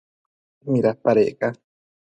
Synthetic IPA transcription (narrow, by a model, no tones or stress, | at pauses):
hĩɾapaɾeʔka